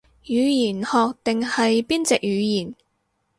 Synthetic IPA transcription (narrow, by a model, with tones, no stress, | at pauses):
jyː˨˧jiː˨˩nhɔː˨˧k̚t̪ɪ˨ŋhɐ˨jpiː˥nt͡sɛ˨k̚jyː˨˧jiː˨˩n